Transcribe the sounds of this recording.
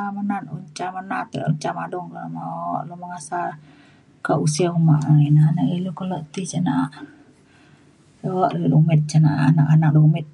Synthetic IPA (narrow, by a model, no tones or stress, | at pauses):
amənanuɲt͡ʃamənat̪uɲt͡ʃamadɔŋkalamaɔʔlumaŋasa | kaʔusiaumaʔainanaʔilukɔlɔʔt̪it͡ʃanaʔ | dɔʔlolumɛt̪̚t͡ʃanaʔanakanak̚dumɪt̪̚